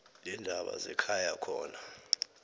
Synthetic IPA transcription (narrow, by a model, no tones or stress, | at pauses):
lɛndʱaɓa̰zɛkʰajakʰɔːna